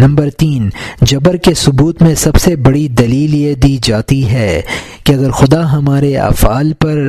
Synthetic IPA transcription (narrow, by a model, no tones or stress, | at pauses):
nɐ̃mbəɾt̪iːnd͡ʒɐbəɾkesʊbuːt̪mẽsɐbsebɐɽid̪ɐliːlied̪iːd͡ʒaːt̪iɦɛː | keɐɡəɾxʊd̪aɦɐmaːɾeɐ̰faːlpɐɾ